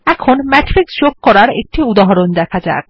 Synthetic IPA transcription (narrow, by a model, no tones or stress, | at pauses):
ɛkʰonmɛʈɾiksd͡ʑok̚ːɔɾaɾḛk̚ʈiud̪aɦoɾond̪ɛkʰad͡ʑa̰e